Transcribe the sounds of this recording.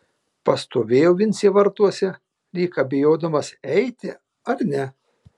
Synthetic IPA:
pɐst̪oːʋʲeːjoːʋʲɪnʲsʲiʋɐɾt̪uɔsʲɛ | ɾʲiːkɐːbʲɪjoːd̪ɐmɐsɛɪt̪ʲɪ | ɐɾnʲɛ

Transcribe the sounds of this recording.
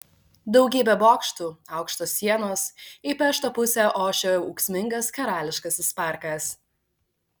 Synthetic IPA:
d̪ɒʊɡʲiːbʲɛboːkʃt̪uːɑˑʊkʃt̪oːsʲːiɛnoːsipʲɛʃt̪oːpʊsʲɛʔoːʃʲouːksʲmʲɪŋɡɐskɐɾɑːlʲɪʃkɐsɪspɑˑɾkɐs

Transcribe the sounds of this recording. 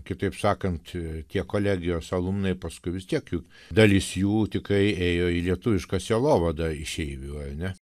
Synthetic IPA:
kʲɪt̪ɐɪpsɑːkɐnt̪t̪ʲiɛkoːlʲæːɡʲɪjoːsɐlˠumnɐɪpɐskʊɪʋʲɪst̪ʲiɛkjuː | d̪ɐlʲɪsjuːt̪ʲɪkrɐɪeːjoːilʲiɛt̪ʊʋʲɪʃkɐsʲɛlˠoːʋɐd̪ɐɪʃʲɛɪʋʲuɐrnʲɛ

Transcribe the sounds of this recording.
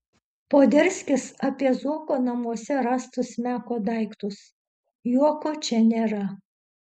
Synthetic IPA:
poːd̪ʲɛɾʲsʲkʲɪsɐpʲiɛzuɔkoːnɐmuɔsʲɛɾɑːst̪ʊsmʲæːkoːd̪ɐɪkt̪ʊs | juɔkoːt͡ʃʲɛnʲeːɾɐ

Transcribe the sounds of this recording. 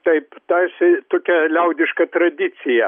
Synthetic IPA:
t̪ɐɪpt̪ɐsʲɪt̪oːkʲɛlʲɛʊd̪ʲɪʃkɐt̪ɾɐd̪ʲɪt̪t͡s̪ʲɪjɛ

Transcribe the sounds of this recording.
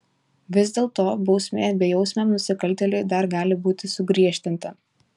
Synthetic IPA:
ʋʲɪzd̪ʲeːlˠt̪oːbɒʊsʲmʲeːbʲɛjɛʊsʲmʲɛmnʊsʲɪkɐlʲˑt̪ʲɛlʲʊɪd̪ɐɾɡɑːlʲɪbuːt̪ʲɪsʊɡɾʲiɛʃʲt̪ʲɪnt̪ɐ

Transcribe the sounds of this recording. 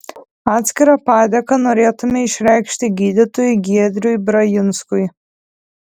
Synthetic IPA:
ɑːt̪ʲsʲkʲɪɾɐpɑːd̪ʲɛkɐnoːɾʲeːt̪ʊmʲɛɪʃʲɾʲæɪkʃʲt̪ʲɪɡʲiːd̪ʲɪt̪oːjʊɡʲiɛd̪ʲɾʲʊjbɾɐjɪnskʊj

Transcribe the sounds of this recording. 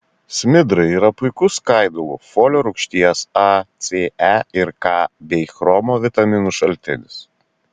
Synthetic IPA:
sʲmʲɪd̪ɾɐɪiːɾɐpʊɪkʊskɐɪd̪ʊlˠʊ̰foːlʲoɾʊkʃʲt̪ʲiɛsɑt̪sʲeːæɪɾkɑːbʲɛxɾɔmoːʋʲɪt̪ɐmʲɪnuʃɐlʲt̪ʲɪnʲɪs

